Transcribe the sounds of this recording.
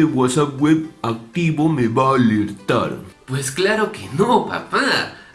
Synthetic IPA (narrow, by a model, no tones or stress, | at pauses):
ebwasaɡwebak̚t̪iβomeβaːliɾt̪a̰ɾpwesklaɾokenopa̰pa